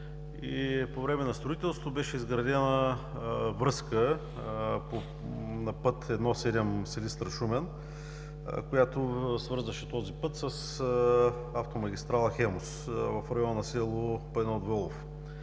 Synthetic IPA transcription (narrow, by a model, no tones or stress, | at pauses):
ipovɾɛmɛnɐst̪ɾoit̪ɛlˠst̪t̪obɛʃɛizɡɾɐd̪ɛnə | vɾɤskə | po | nɐpɤt̪ɛd̪nɔsɛd̪ɛmsɛlist̪ɾɐʃumɛn | kojat̪ʊsvɤɾzəʃɛt̪ɔzipɤt̪səs | aft̪omɐɡʲist̪ɾalˠəxɛmosvɐfɾɐjɔnnɐsɛlˠopɛnɔd̪vɔlˠof